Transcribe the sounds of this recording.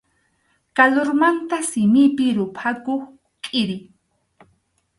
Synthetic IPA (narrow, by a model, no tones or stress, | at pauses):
kaloɾmant̪asɪmɪpɪɾʊpʰakoχ | kʼɪɾɪ